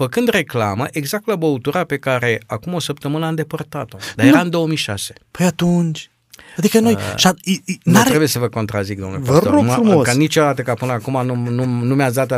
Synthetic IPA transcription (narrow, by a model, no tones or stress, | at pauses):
fəkɨnd̪re̞klaməʔeɡzak̚t̪labəut̪uɾape̞kaɾe̞akumo̞səpt̪əmɨnəand̪e̞pəɾt̪at̪od̪ajeɾaɨnd̪o̞əmijʃa̰se̞pojat̪unt͡ʃ | ad̪ikɐnojʃainuɾebujesəvəko̞nt̪ɾazikd̪omulvaɐsoomfɾumokanit͡ʃod̪at̪əkapɨnəakumanununumeas̬d̪at̪